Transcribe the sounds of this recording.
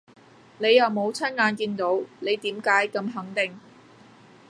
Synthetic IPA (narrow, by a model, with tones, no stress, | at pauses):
ne˨˧jːɐ˨wmo˨˧wt͡sʰɐ˥nŋaː˨˧nkiː˧nt̪o˨˥wle˨˧jt̪iː˨˥mkaː˨˥jkɐ˧mɦɐ˨˥ŋt̪ɪ˨ŋ